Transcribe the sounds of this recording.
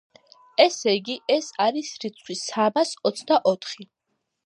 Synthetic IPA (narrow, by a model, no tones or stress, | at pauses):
ɛsɛjɡiɛsaɾisɾit̪sʰχʰwisamasɔt̪sʰd̪aʔɔt̪ʰχi